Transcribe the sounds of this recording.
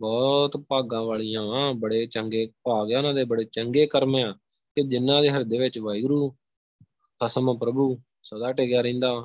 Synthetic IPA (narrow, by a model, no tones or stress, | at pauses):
bɔːt̪paːɡãːʋaːɭijãːʋãːbəɽeːt͡ʃəŋɡeːpaːɡejaːʊnãːd̪eːbəɽeːt͡ʃəŋɡeːkəɾmẽːãː | ked͡ʒɪnːãːd̪eːɦəɾd̪eːʋɪt͡ʃʋaːiɡɾuː | kʰəsəmpɾəbuː | səd̪aːʈeːɡɪjaːɾə̃ːnd̪aː